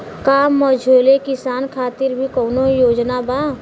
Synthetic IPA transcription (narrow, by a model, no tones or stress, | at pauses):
kaːmːɔd͡ʒʱoːlekɪsaːnkʰaːt̪ɪɾbʱikɔːnojoːd͡ʒnabaː